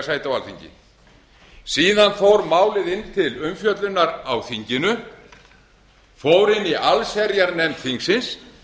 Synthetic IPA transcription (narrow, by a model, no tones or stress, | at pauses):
saːjt̪awalθiɲcɪ̰ | siːðanfowɾmaːwlɪðɪnːt̪ʰɪlʏmfjœt̪lʏnːaɾawθiɲcɪnʏ | foːwɾɪnːiʔalsɛɾjaɾnɛmt̪θiŋksɪns